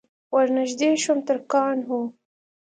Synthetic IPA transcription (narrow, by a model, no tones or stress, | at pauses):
wɐɾnaʒd̪eːʃomt̪əɾkɑːnɦo